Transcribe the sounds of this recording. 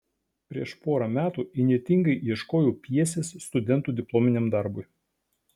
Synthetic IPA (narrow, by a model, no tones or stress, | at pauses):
pʲɾʲiɛʃpoːɾɐmʲæːt̪uːɪnʲiɛt̪ʲɪŋɡɐɪʔiɛʃkoːjoːpʲiɛsʲeːsːt̪ʊd̪ʲɛnt̪uːd̪ʲɪplˠoːmʲɪnʲeːmd̪ɐɾbʊɪ